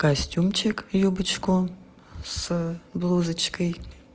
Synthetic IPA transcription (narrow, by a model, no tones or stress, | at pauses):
kasʲtʲumt͡ʃʰɪkjobɨt͡ʃku | sblˠuzɨt͡ʃkəj